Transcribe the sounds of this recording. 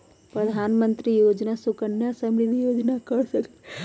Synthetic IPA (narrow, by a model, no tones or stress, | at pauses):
pɾəd̪ʱaːnmə̃nt̪ɾijoːd͡ʒnasʊkənjasəmɾɪd̪ʱijoːd͡ʒnakəɽsəkt̪e